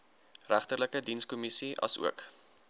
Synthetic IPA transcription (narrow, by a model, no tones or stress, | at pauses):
ræχtərləkədinskɔmisiʔɐ̰sṵək